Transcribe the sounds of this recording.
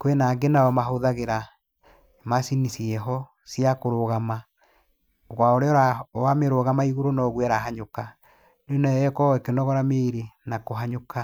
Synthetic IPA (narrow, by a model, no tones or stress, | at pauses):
kwenaːɡenaɔmaɦoðaɣeɾa | masinisiɛɦɔ | siakoɾoɣama | oɣwaoɾeɔɾawameɾoɣamaiɣoɾonɔːɣwɛɾaɦaɲoka | neɔnɛɛkɔekenɔɣɔɾameɾenakoɦaɲoka